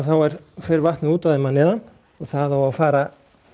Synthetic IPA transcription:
θawɛɾ̥fɪɾvaht̪nɪuːt̪aðɪmanɛːðan | ɔɣθaðawawfaːɾa

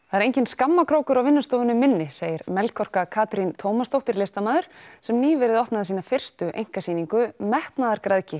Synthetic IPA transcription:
θaɛɾejɲcɪnskamːakʰɾoːwkʏɾawvɪnːʏst̪oːðʏnʏmɪnːɪseːjɪɾmɛlkʰɔr̥kakʰaːt̪ɾint̪ʰoːwmast̪owht̪ɪɾleːst̪amaːðʏɾ̥sɛmniːvɛːɾɪðɔhpnaðasiːnafɪr̥st̪ʏʔḛjŋ̥kasiːniŋkʏmɛht̪naðaɾkɾaðcɪ

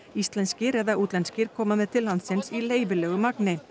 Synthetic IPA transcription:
ist̪lɛnscɪɾɛðaʔut̪lɛnscɪɾ̥kʰɔːmamɛðt̪ʰɪlːant̪sɪnsileːjvɪlɛːɣʏmaknɪ

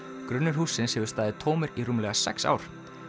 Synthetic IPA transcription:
kɾʏnːʏɾ̥ɦuːsːɪnshɛvʏɾ̥st̪aːðɪt̪ʰɔːmʏɾiruːmlɛɣasɛ̰ksa̰ːwɾ̥

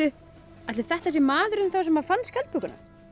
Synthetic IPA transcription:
ʏ | at̪lɪθɛht̪aɛsɪmaːðʏɾʏnθawsɛmhafanskʰɛl̚pʰukʏna̰

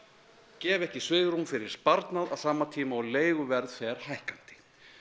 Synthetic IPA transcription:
cɛːvɛhcɪsvʏːðɾumfɪɾɪɾ̥spaɾt̪naða̰ð̥saːmat̪ʰiːmaɔɣleːjɣʏvɛɾðfɛːɾ̥hajhkan̥t̪ɪ̥

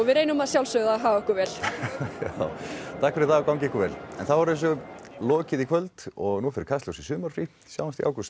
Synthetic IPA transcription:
ɔvɪðɾejnʏmaðsjawlsœɣðaɦaːvaɛhkʏɾvɛːl̥jawt̪ʰahkfɪɾɪɾθakawŋcɪehkʏɾvɛlɛ̰nθavɔɾɛns̬ʏlɔːcɪðikʰvœlt̪ɔɣnufɪɾɪ̥ɾkʰast̪ɔwsisʏːmaɾ̥fɾi | sja̰wnast̪iʔa̰wkʏst̪

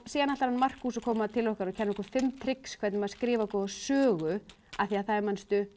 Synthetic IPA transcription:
siːðanaht̪aɾanmar̥kuːsakʰɔːmat̪ʰɪlɔhkaɾɔcʰɛnːɔhkːfɪmt̪ʰɾɪkskʰvɛt̪nɪmaðaskɾɪːvakɔðasœːɣʏ | aθiaðθaðɛɾmanst̪ʏ

